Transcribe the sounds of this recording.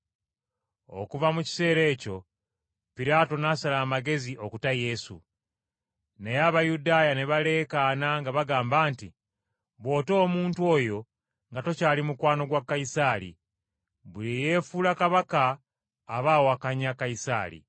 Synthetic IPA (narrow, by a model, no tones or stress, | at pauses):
o̞̰kuvamuci̥se̞ːɾe̞ːco̞ | piɾaːto̞nasalaːmaɡe̞ziʔo̞kutaje̞sṵ | nejaːβajudaːjane̞βale̞ːkanaŋɡaβaɡaːmbaːnti | βwo̞ːto̞ːmuːntuo̞jo̞ | ŋɡato̞caːlimukwaːno̞ɡwakːaisaːlḭ | βulije̞ːfulakaβakaː | βaːwoakaɲakːaisa̰ːɾḭ